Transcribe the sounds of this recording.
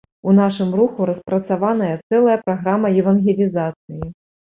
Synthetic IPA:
unaʂɨmruxuɾɐspɾɐt̪savanɐjɐt̪sɛlˠɐjɐpɾaɣɾamɐjɛvɐnɣʲelʲizat̪sɨji

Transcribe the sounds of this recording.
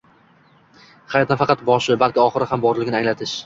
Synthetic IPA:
χajɒt̪nafɑqʰɑt̪bɒʃɪbalˠkʲɪɒχɨɾɪhambɒɾlɪɡʲɪnɪaŋlat̪ʰɪʃ

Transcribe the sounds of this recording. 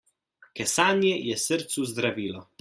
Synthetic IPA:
kɛsaːnjɛjɛsəɾt̪suzd̪ɾaviːlɔ

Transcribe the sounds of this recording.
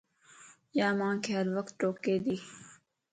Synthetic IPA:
jaːmãːkʰeːɦɐɾʋəkt̪̚ʈoːkːeːd̪iː

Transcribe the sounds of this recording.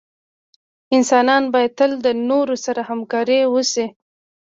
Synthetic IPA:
ɪnsɑnɑnbɑjad̪̚t̪əld̪ənoɾosaɾahamkɑɾiwəsi

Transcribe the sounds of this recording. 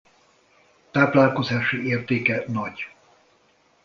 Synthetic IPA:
t̪aːplaːlko̞zaːʃieːrt̪eːkɛnɒɟ

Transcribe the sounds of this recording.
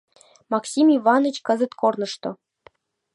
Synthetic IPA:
mɑksʲimivɑnə̆t͡ɕkɤ̆zɘ̆t̪kornɤ̆ʃt̪ŏ

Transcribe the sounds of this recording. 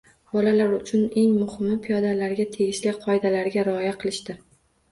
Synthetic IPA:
b̥ɒlalaɾʊt͡ʃʰʊne̞ŋmʊhɪmːɪpʰijɒd̪alaɾɡʲat̪ʰe̞ɡʲɪʃlɪqʰɒjd̪alaɾɡʲaɾɪɒjaqʰɨlˠɪʃt̪ɪ

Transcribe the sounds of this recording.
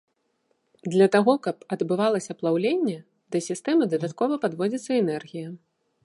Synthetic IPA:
d̪lʲɐt̪aɣɔkɐpɐd̪bɨvalˠɐsʲɐplˠawlʲenʲːɛ | d̪ɐsʲist̪ɛmɨd̪ɐd̪at̪kɔvɐpad̪vɔd͡zʲit̪sːɐɛnɛrɣʲijɐ

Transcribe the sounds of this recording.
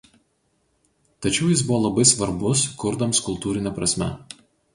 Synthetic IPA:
t̪ɐt͡ʃʲɛʊjɪsbʊʋoːlˠɐbɐɪsʋɐɾbʊskʊɾd̪ɐmskʊlˠt̪uːɾʲɪnʲɛpɾɐsʲmʲɛ̰

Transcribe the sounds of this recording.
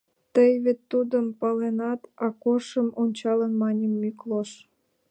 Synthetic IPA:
t̪əjβet̪ːud̪əmpɑlenɑt̪ɑkorʃəmonʲt͡ɕɑlənmɑnʲemːykloʃ

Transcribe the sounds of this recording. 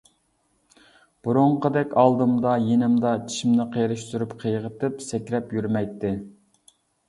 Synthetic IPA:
b̥uɾuɴqəd̪ɛkʲɑlˠd̪ɨmd̪ɑjenɪmd̪ɑt͡ʃʰi̥ʃimnɪqʰejɾɨʃt̪uɾupqʰəjʁət̪ɪpsɛkʲɾɛpjyɾmɛjt̪ʰːɪ

